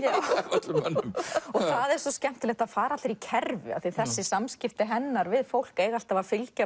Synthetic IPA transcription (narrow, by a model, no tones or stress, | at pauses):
jaːwt̪lɛnmɔɣθaðɛɾ̥sɔscɛm̥t̪ɪlɛht̪aðfaːɾat̪ɾicʰɛɾvʏ̰a̰θiθɛsːɪsamscɪft̪ɪɦɛnːaɾvɪðfowl̥kejɣal̥t̪avafɪlca